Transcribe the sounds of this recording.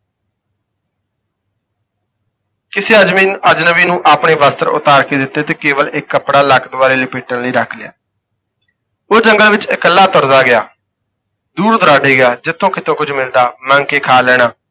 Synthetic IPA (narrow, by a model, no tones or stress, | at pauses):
kɪseːəd͡ʒmiːəd͡ʒnəʋiːnũːʔaːpɳeːʋaːst̪əɾʊ̰t̪aːɾkeːd̪ɪt̪ːeːt̪eːkeːʋəlɪkːəpɽaːlakʰd̪ʊaːɾeːlɪːpiːʈəɳləiːɾəkʰlɪja̰ː | oːd͡ʒəŋɡəlʋɪt͡ʃɪkəlːaːt̪ɔɾzaːɡɪjaː | d̪uːɾd̪əɾaːɖeːɡɪaːd͡ʒɪt̪ʰːõːkɪt̪ʰõːkʊd͡ʒmɪld̪aːmə̃ŋɡkeːkʰaːlɛːɽ̃aː